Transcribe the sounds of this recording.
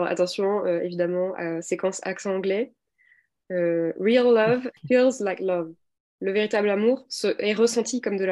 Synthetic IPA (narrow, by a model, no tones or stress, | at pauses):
ʁa̰t̪ɑ̃sjɔ̃øevid̪amɑ̃asekɑ̃sa̰ksɑ̃ːɡlɛ | øʁilːʌvfilzlajklɔv | ləveʁit̪ablamuʁsəʔɛʁəsɑ̃t̪ikɔmd̪əla